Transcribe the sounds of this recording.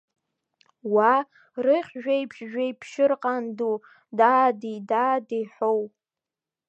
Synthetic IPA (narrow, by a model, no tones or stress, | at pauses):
wa | rɨχʲʒᶣajpʰʃʒᶣajpʰʃɪrqʼandu | daːdidaːdiħow